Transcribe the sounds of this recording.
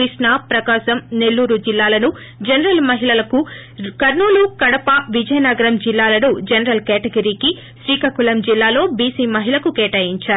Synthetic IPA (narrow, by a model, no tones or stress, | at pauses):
ɾiʂɳapɾɐkaːʃɐmne̞lːuːɾud͡ʒilːaːlɐnu | d͡ʒɐnɐɾɐlmɐɦilɐlɐku | kɐɾnuːlukɐɽɐpɐʋid͡ʒɐjɐnɐɡɐɾɐmd͡ʒilːaːlɐnud͡ʒɐnɐɾɐlkeːʈɐɡɐɾiːki | ʃʋiːkɐkulɐmd͡ʒilːaːlo̞ːbiːsiːmɐɦilɐkukeːʈɐjiɲt͡ʃaːɾu